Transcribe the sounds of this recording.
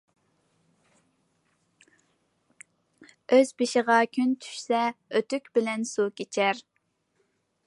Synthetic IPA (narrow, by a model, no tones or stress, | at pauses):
øzbɪʃɪʁɑkʲʰynt̪ʰy̥ʃsɛøt̪ykʲbɪlɛnsukʲet͡ʃʰɛɾ